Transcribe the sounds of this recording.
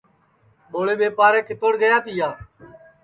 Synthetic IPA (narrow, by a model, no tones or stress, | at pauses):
ɓoːɭeːɓeːpaːɾẽːkɪt̪oːɽɡəjaːt̪iːjaː